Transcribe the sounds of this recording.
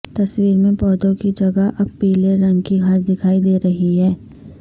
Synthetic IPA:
t̪ɐswiːɾmẽpɔːd̪õkid͡ʒɐɡaʔɐb̚piːleɾɐ̃ŋɡkiɡʱaːt̪d̪ɪkʰaːid̪eːɾɐɦiɦɛː

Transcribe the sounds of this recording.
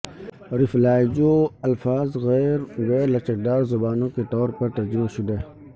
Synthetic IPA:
ɾɪflaːjd͡ʒoːɐlfaːzɣɛːɾɣɛːɾlɐʃək̚d̪aːɾzɐbaːnõket̪ɔːɾpɐɾt̪ɐɾd͡ʒɪmaʃʊd̪eː

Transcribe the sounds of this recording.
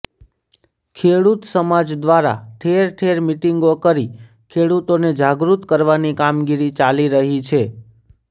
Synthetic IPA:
kʰeɽut̪səmad͡ʒd̪ʋaɾa̰ʈʰeɾʈʰeɾmiʈiŋɡokəɾi | kʰeɽut̪oned͡ʒaɡɾut̪kəɾʋanikamɡiɾit͡ʃaliɾəɦit͡ʃʰe

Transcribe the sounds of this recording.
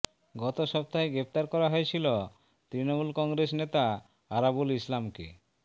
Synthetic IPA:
ɡɔt̪oʃɔp̚t̪aɦeɡɾept̪aɾkɔɾaɦojet͡ɕʰilo | t̪ɾinomulkɔŋɡɾes̬net̪a | aɾabulislamkḛ

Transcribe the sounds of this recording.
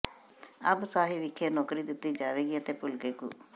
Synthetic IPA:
ə̰bsaːɦiːʋɪkʰːeːnɔːkɾiːd̪ɪt̪ːiːd͡ʒaːʋeːɡiːət̪eːpʊlkeːkṵː

